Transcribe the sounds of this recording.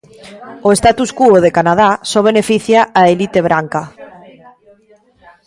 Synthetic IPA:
oest̪at̪uskuoðekanað̞asɔβ̞enefiθjaʔaelit̪eβ̞ɾaŋka

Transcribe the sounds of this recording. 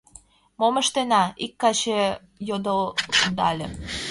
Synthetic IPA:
moməʃt̪enɑikːɑɕe | jod̪od̪ɑlʲe

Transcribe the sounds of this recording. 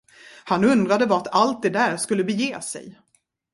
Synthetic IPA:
hanɵnd̪ɾad̪əvaɾat̪ʰalt̪̚d̪ɛd̪æːɾʂkɵlːəbɛjeːsɛ̰j

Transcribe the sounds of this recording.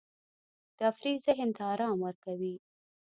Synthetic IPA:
d̪̥əafɾizeɦɪnt̪ɪɑɾɑmwəɾkawi

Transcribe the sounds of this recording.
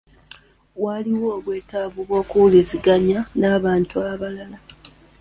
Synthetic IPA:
waliwoːβwe̞ːtaːvuβwo̞ːkuliziɡaɲanaːβaːntuaβalala

